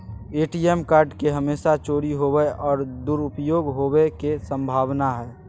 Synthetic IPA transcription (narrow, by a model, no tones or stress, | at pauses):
eːʈiemkaːɾɖkeɦəmeːsat͡ʃoːɽiɦobɛɔːɾd̪uɾʊpjoːɡɦobekesə̃mbʱaːʋnaɦɛː